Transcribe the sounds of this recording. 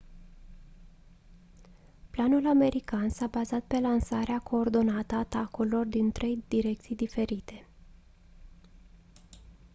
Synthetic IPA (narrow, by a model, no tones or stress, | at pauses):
planulame̞ɾikansabazat̪̚pe̞lansaɾeakʰo̞ːrd̪o̞nat̪əːt̪akullo̞rd̪int̪ɾe̞jd̪̥iɾe̞k̚t̪sijd̪ife̞ɾit̪e̞